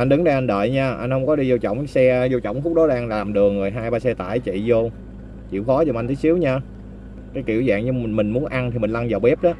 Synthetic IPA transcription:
ʔa˧nɗɨ˨˦ŋɗə˧ʔa˧nɗə̰ː˧˨jɲaː˧ʔa˧jn̟hə˧wŋ͡mkɔ˨˦ɗi˧zo˧t͡ɕɔ̰˧˨wŋ͡msɛ˧zo˧t͡ɕɔ̰˧˨wŋ͡mfxʊ˦˥k͡p̚ɗɔ˨˦ɗaː˧ŋlaː˨˩mɗɨ˨˩əŋːɨ˨˩əjɦaː˧jɓaː˧sɛ˧t̪a̰ː˧˩˨jt͡ɕḭ˧˨zo˧ | t͡ɕḭ˧˩əwxɔ˨˦zo˧˩mʔa˧nt̪ʰi˨˦si˨˦wɲaː˧ | kaː˨˦jkḭ˧˩əwza̰ː˧˨ŋɲɨ˨˧˨mï˨˩ŋ̟mu˨˦ənʔa˧nt̪ʰi˨˩mï˨˩ŋ̟la˧ŋzə˨˩wɓɛ˦˥p̚ɗɔ˨˦

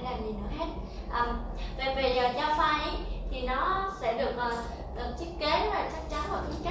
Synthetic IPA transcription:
laː˨˩mɲi˨˩nːɨ̰˧əɦe˦˥t̚ | ʔəː˨˩mve˨˩ve˨˩zəː˨˩t͡ɕaː˧faː˧jʔə˨˦jt̪ʰi˨˩nɔ˨˦sɛ̰˧˥ɗɨ˨˩ək̚ʔəː˨˩ | t̪ə˨˩ŋ̚t͡ɕi˦˥k̚kːe˨˦maː˨˩t͡ɕa˦˥k̚t͡ɕa˨˦nmo˨˧˩t̪ʰi˨˦ka˦˥

